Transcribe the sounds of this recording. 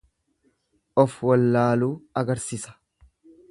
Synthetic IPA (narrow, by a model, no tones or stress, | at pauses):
ʔɔfwɐlːaːluːɐɡɐɾsɪsɐ̥